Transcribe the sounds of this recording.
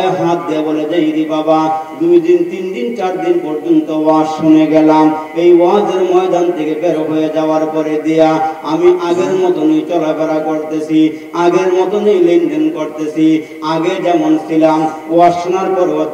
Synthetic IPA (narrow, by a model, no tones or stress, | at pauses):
eɦãt̪̚d̪iaboled͡ʑeiɾibabad̪ujd̪int̪ind̪int͡ɕaɾd̪inpɔɾd͡ʒont̪owaʃʃuneɡɛlam | ejwad͡ʑeɾmɔjd̪ʱant̪ʰekebeɾoɦojed͡ʒaoaɾpɔɾed̪ijaamiʔaɡeɾmɔt̪onejt͡ɕɔlakɛɾakoɾt̪et͡ɕʰi | aɡeɾmɔt̪onejlenɖenkoɾt̪et͡ɕʰi | aɡed͡ʑɛmonsʰilam | asʃunaɾpɔɾbo